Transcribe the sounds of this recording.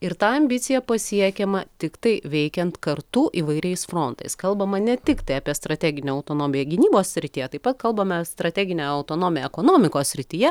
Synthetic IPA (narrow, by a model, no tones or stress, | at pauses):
ɪɾt̪ɑːɐmʲbʲɪt̪sʲɪjɛpɐsʲiɛkʲɛmɐt̪ʲɪkt̪ɐɪʋʲɛɪkʲɛnt̪kɐrt̪uʔiːʋɐɪɾʲɛɪsfɾoːnt̪ɐɪskɐlˠbɐmɐnʲɛt̪ʲɪkt̪ɐɪɐpʲiɛst̪ɾɐt̪ʲæːɡʲɪnʲoːɐʊt̪oːnoːmʲɪjɛɡʲɪnʲiːboːsʲsʲɾʲɪt̪ʲiːjɛt̪ɐɪpɐt̪̚kɐlˠbɐmʲɛst̪ɾɐt̪ʲæːɡʲɪnʲɛːɐʊt̪oːnoːmʲjɛɛkoːnoːmʲɪkoːsʲsʲɾʲɪt̪ʲiːjɛ